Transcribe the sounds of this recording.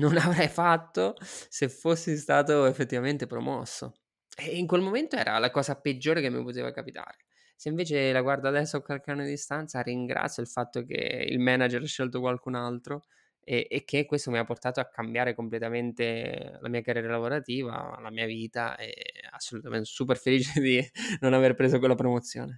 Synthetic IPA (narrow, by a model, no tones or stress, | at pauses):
nonavɾɛjfat̪ːosefosːist̪aːt̪oefːet̪ːivament̪epɾomɔ̰sːo̰ | ɛiŋkwelmoment̪oɛːɾa̰lakɔːzaped͡ʒːoːɾekemːḭpot̪ḛːva̰kapit̪a̰ːɾ | seiɱveːt͡ʃelaɡward̪oad̪ɛsːoakːwalkanːod̪ist̪ant̪sariŋɡɾa̰t̪sːjoilfat̪ːokḛḭlmɛnad͡ʒɾaʃːelt̪okwalkunalt̪ɾo | ɛʔek̟ːekːwest̪omiapːort̪aːt̪oakːambjaːɾekomplet̪ament̪ela̰miːakarjɛːɾalavoɾat̪iːva̰lamiːaviːt̪a̰ɛ̰a̰sːolut̪amḛnt̪esup̬erfeliːt͡ʃed̪inonaverpɾeːzok̬welːapɾomot̪sːjo̰ːne